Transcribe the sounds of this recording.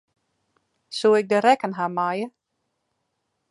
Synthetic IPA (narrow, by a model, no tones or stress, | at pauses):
suɪk̚dəɾɛkənɦamajə